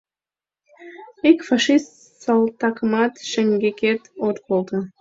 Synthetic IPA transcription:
ikfɑʃist̪ | sɑlˠt̪ɑkəmɑt̪ʃəŋɡʲekʲet̪ot̪bolˠd̪ə

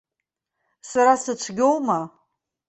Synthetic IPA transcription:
saɾasɨt͡ʃʷʰɡʲowma

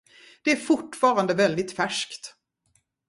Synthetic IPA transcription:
d̪̥ɛæɾfʊʈːfɑːɾand̪əvɛld̪ɪt̪fæʂkt̪

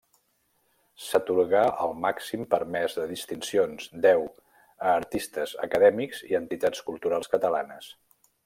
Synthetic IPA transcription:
sət̪uɾɣaʔəlˠmaksimpəɾmɛzðəðist̪insionzd̪ɛw | əːɾt̪ist̪əzə̰kəðɛmikz̥ḭənt̪it̪at͡skulˠt̪uɾalˠskət̪əla̰nəs

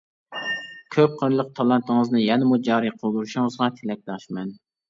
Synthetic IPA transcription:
kʲʰøp̚qʰəɾlˠəq̚t̪ʰɑlˠɑnt̪ɨŋəznɨjɛnɪmud͡ʒɑːɾɨqʰolˠd̪uɾuʃʊŋəzʁɑt̪ʰɪlɛk̚ʲd̪ɑʃmɛn

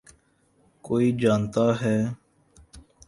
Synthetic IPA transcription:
koːiːd͡ʒaːnt̪aːɦɛː

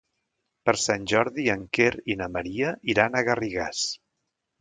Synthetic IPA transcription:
pəɾsanʲʒɔɾðiəŋkeɾinəməɾiəʔiɾanəɣəriɣa̰s

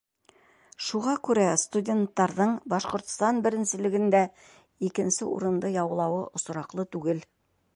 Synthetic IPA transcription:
ʃuʁɑkʉɾæst̪udʲent̪ːɑɾðɤɴbɑʃqŏɾt̪st̪ɑnbɘ̆ɾɘ̆nsɘ̆lɘ̆ɡɘ̆nd̪æ | ikɘ̆nsɘṵɾɤ̆nd̪ɤjɑw̆lˠɑwɤʔŏs̆ɾɑqlˠɤt̪ʉɡɘl

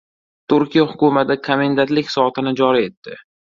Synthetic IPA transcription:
t̪ʰʊɾkʲijahʊkʲʊmat̪ɪkʰamend̪at̪lɪkʲsɒt̪ʰɪnɪd͡ʒɒɾie̞t̪ːɪ

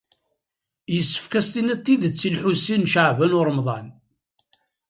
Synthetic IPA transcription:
jəsːə̥fkæst̪inæt̪ːiðət͡sːilħusːinʃəʕvænʊɾˤəmðˤɑn

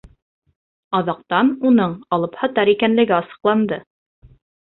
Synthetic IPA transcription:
ɑðɑq̚t̪ɑnunɤɴɑlˠɤphɑt̪ɑɾikænlɘ̆ɡɘɑsɤ̥̆qlˠɑnd̪ɤ

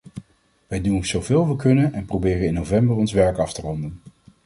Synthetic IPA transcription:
ʋɛjdunz̥owvɪːlˠʋəkɵnənɛnprowbɪːrənɪnːowvɛmbərɔnsʋɛɹkɑftərɔndən

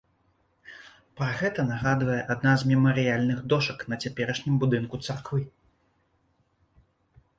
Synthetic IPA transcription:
pɾɐɣɛt̪ɐnaɣad̪vɐjɛʔad̪nazmʲɛmɐɾɨjalʲnɨɣd̪ɔʂɐkn̪ɐt͡sʲapʲɛɾɐʂnʲimbud̪ɨnkut̪sarkvɨ

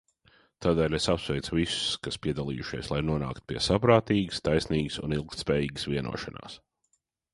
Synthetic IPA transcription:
t̪aːd̪eːlʲesapsvɛjt̪sʊvisʊ̥skaspʲiɛd̪alˠḭːjuʃiɛslˠajnuɔna̰ːkt̪piɛsapɾaːt̪iːɡst̪ajsniːɡsṵnilˠkt̪spɛːjiːɡɨsviɛnṵɔʃa̰na̰ːs

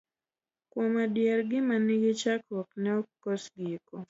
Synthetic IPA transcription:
kwɔmadjɛɾɡɪmanɪɡɪt͡ʃakɔknɛɔkosɡiiko

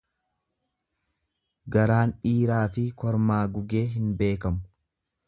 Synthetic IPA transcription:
ɡɐɾaːnᶑiːɾaːfɪkɔɾmaːɡʊɡe̞ːɦɪnbe̞ːkɐmʊ

